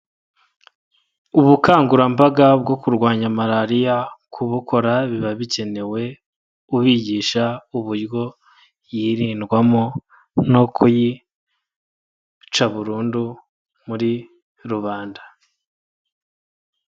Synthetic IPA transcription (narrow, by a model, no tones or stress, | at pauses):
uβukaːŋɡuɾambaɡab̚ɡo̞kuɾɡwaːɲamaɾaɾijakʰuβukʰo̞ɾaβiβaβice̞ne̞we̞ | uβiːɟiːʃauβuɾɡo̞ | jiɾiːnɡwamo | no̞kʰuji | t͡ʃaβuɾuːndu | muɾi | ɾuβaːnda